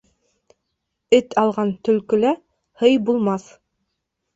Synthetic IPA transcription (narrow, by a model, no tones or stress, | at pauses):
ɘt̪ʰɑlˠʁɑnt̪ɵ̆lkɵ̆læ | hɤjbulˠmɑθ